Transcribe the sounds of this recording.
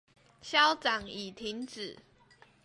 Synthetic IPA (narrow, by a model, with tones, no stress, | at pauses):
ɕjɑ˦ʊt͡sɑ˨˩ŋi˨˩t̪ʰi˨˦ŋt͡s̩˨˩˦